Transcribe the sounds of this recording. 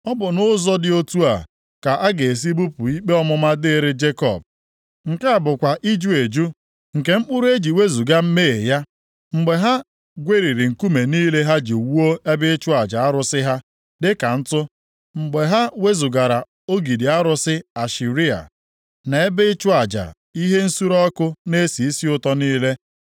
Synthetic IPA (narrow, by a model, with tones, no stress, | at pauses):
ɔ˦bʊ˨nʊ˦zɔ˦dɪ˦o˦tu˦a̰˨ | ka˨ʔa˦ɡe˨e˨s̬i˦bu˦pʊ˨i˦k͡pe˦ɔ˦mʊ˦ma˦dɪ˦ɾe˦d͡ʒe˦kɔ̰˨b̚ | ŋ̩˨ke˦a˨bʊ˨kʷa˨ʔi˦d͡ʒu˦e˨d͡ʒu˦ | ŋ̩˨ke˨ŋ͡m̩˦k͡pʊ˦ɾʊ˦e˦d͡ʒi˨we˦zu˨ɡa˦m̩˦me˦e˨ja˦ | ŋ͡m̩˨ɡ͡be˨ɦa˦ | ɡʷe˦ɾi˨ɾi˨ŋ̩˨ku˦me˨niː˦le˦ɦa˦d͡ʒe˨wu˦o˦e˦bɪ˦ɪ˦t͡ʃʊ˦a˨d͡ʒa˨a˦ɾʊ˦sɪ˦ɦa˦ | dɪ˦ka˨n̩˦tʊ˦ | ŋ͡m̩˨ɡ͡be˨ɦa˦we˦zu˨ɡa˨ɾa˨ | o˦ɡi˨di˨a˦ɾʊ˦sɪ˦a˨ʃi˨ɾi˦a̰˨ | na˨e˦bɪ˦ɪ˦t͡ʃʊ˦a˨d͡ʒa̰˨ | i˦ɦe˦n̩˦su˦ɾɔ˦kʊ˦ne˦si˨i˦si˦ʊ˦tɔ˦niː˦le˦